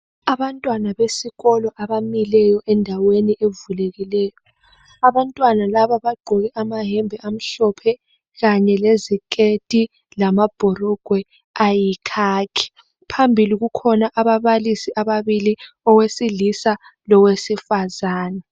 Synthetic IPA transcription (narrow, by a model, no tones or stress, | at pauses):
aβantʼwanaβesiɣɔlɔʔaβamilɛjɔʔɛndʱaweniʔevuleɣilɛːjɔ | aβantʼwanalaβaβaɡ͡ǃʱɔɣɛʔamaɦɛmbʱɛʔam̩ɬɔpʰɛ | ɣaɲɛlezikʼetʼi | lamab̥ʱɔrɔɡ̥ʱwɛ | ajikʰaːkʰi̥ | pʰambʱiliɣukʰɔnaʔaβaβalisiaβaβili | ɔwesilisalɔwesifazaːna